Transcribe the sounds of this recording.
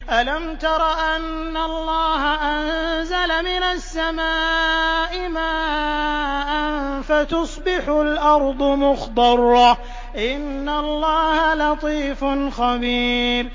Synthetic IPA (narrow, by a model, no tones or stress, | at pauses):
ʔalamt̪ɑɾˤɑʔanːaɑlˤːɑːɦaʔanzalamɪnasːamaːʔɪmaː | ʔanfat̪ʊsˤbɪħʊlʔɑɾˤd̪ˤʊmʊxt̪ɑrˤːɑ | ʔɪnːalˤːɑːhalɑt̪ˤiːfnxabiːɾ